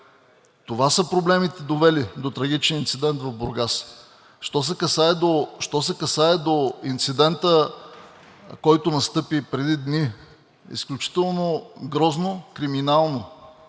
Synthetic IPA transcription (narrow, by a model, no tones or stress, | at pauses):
t̪ovasəpɾoblɛmit̪ɛd̪ovɛlid̪ot̪ɾɐɡʲit͡ʃnʲiint̪sid̪ɛnt̪vɐvboɾɡas | ʃt̪ɔs̬ɛkɐsaɛd̪oʃt̪ɔsɛkɐsaɛd̪oint̪sid̪ɛnt̪ə | kɔjt̪ʊnɐst̪ɤpipɾɛd̪id̪ni | ḭsklʲut͡ʃi̥t̪ɛlˠnoɡɾɔznokɾiminalˠno